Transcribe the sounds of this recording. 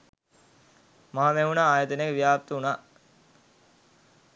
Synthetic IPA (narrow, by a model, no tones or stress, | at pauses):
maɦameɦunaːaːjət̪ənekəʋijaːp̚t̪əunaː